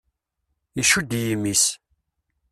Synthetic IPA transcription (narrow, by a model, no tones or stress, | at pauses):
jəʃud̪jimːis